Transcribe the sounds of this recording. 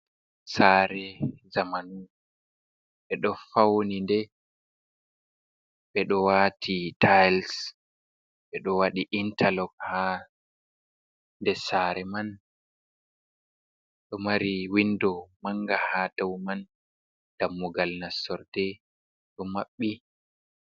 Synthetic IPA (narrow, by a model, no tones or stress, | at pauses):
saɾɛzamanu | ɓɛɗɔfawnindɛ | ɓɛɗɔwatʰitʰajls | ɓɛɗɔwaɗiʔintʰalɔkha | ndɛsaɾɛman | ɗɔmaɾiwindɔmaŋɡahad̥awman | d̥amːɔɡalnasɔɾd̥ɛ | ɗɔmaɓːi